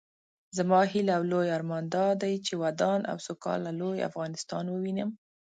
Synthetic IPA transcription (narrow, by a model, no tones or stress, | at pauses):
zamɑɦilawlojɑɾmɑnd̪ɑd̪ajt͡ʃewad̪ɑnʔa̰wsokɑ̰laloja̰fɣɑnɪst̪ɑnwəwinəm